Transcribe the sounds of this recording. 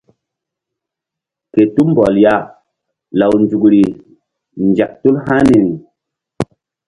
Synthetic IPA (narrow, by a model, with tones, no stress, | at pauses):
ke˨tu˦mbɔ˨lja˦˨ | la˨wnd͡ʒu˨kɾi˨ | nd͡ʒa˨k̚tu˦lha˦ni˨ɾi˨